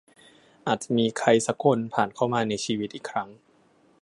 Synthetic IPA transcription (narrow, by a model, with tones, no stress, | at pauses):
ʔaː˨˩t̪̚t͡ɕa˨˩miː˧kʰa˧jsa˦˥kʰo˧npʰaː˨˩nkʰa˥˩wmaː˧na˧jt͡ɕʰiː˧wi˦t̪̚ʔiː˨˩kʰɾa˦˥ŋ